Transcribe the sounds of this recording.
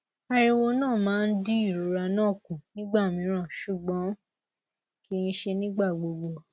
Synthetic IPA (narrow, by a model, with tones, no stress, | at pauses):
a˧ɾi˧wo˧nãː˦˨mãː˦˧n̩˦di˦i˦˨ɾu˨˦ɾa˧nãː˦˨kũ˨nĩ˦ɡ͡ba˦˨mĩ˨˦ɾ̃ã˦˨ʃu˦˨ɡ͡bɔ̃˨˦ | ki˧˦˧n̩˦ʃe˧nĩ˦ɡ͡ba˦˨ɡ͡bo˨˧ɡ͡bo˨